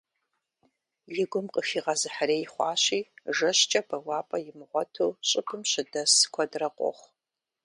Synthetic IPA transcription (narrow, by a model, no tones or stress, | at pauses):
jɪɡʷʊmqʼəfiːʁɐzɨħaɾeːjɪχʷɑːɕiːʒɐɕt͡ʃʼɐbɐwɑːpʼɐjɪmʁʷɔtʰuːɕʼɪpʰɨmɕɪdɐskʷʰɐdrɐqʷʼɔ̰χʷ